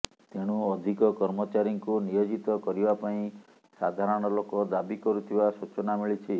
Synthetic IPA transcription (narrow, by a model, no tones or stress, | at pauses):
t̪eɽ̃uɔd̪ʱikɔkɔɾmɔt͡ʃaɾiŋkunijod͡ʒit̪ɔkɔɾibapaĩ | sad̪ʱaɾɔɽ̃ɔlokɔd̪abikɔɾut̪ʰibasut͡ʃɔnamiɭit͡ʃʰi